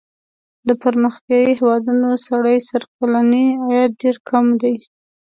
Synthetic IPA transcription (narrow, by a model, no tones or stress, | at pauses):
d̪əpaɾməxt̪jɑjihewɑd̪unosaɽajsaɾk̚alaniajat̪̚ɖeɾkʰamd̪aj